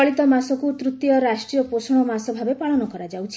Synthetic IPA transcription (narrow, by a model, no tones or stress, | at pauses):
ɔɭit̪ɔmasɔkut̪ɾut̪ːijɔɾasʈɾijɔposɔɽ̃ɔmasɔbʱabepaɭɔnɔkɔɾad͡ʒawt͡ʃʰi